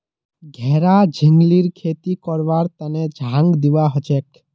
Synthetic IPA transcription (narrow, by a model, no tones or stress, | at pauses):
ɡʱɛːɾad͡ʒʱɪŋɡliɾkʰeːt̪ikɔɾʋaːɾt̪əned͡ʒʱãŋɡd̪iʋaɦɔt͡ʃek